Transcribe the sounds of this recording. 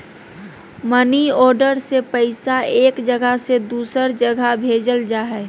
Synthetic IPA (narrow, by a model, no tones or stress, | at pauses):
məniɔːɾɖəɾsepəɪsaeːkd͡ʒəɡʱəɦsed̪uːsəɾd͡ʒəɡʱabʱeːd͡ʒəld͡ʒaːɦɛ